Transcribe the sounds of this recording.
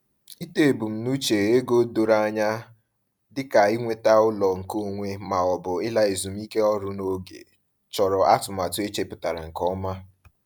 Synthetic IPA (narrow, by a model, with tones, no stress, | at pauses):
i˦te˦e˨bu˨m̩˨nu˦t͡ʃe˨ɾe˦ɡo˦do˨ɾa˦ɲa˦ | dɪ˦ka˨i˦ŋʷe˦ta˦ʊ˦lɔ˨ŋ̩˨ko˦ŋʷe˦ma˨ɔ˨bʊ˨ɪ˦la˦i˨zu˨mi˦ke˦ɔ˦ɾʊ˦no˦ɡḛ˨ | t͡ʃɔ˨ɾɔ˨a˦tʊ˨ma˨tʊ˦e˦t͡ʃe˦pʊ˨ta˨ɾa̰˨ŋ̩˨kɔ˦ma˦